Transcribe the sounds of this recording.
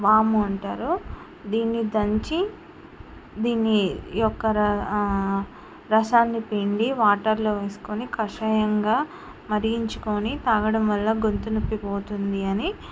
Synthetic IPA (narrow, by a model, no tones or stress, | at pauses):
baːmuɐɳʈaːɾu | d̪iːnːid̪ɐɲt͡ʃi | d̪iːnːijɔkːɐɾɐ | ɾɐsaːnːipeɳɖiʋaːʈɐɾloːʋeːsu̥konikɐʂɐjɐŋɡaː | mɐɾiɡiɲt͡ʃu̥koːnit̪aːɡɐɽɐmʋɐlːɐɡont̪unupːipo̞ːt̪und̪iɐni